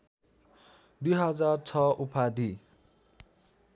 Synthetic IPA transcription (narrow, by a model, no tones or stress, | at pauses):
d̪ujɦʌd͡zart͡sʰʌupʰad̪i